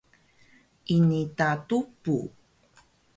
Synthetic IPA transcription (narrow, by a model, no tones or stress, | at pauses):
ʔinitatupu